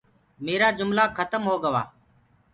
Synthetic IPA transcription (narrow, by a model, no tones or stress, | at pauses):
meːɾaːd͡ʒʊmlaːkʰət̪əmɦoːɡəʋa̰ː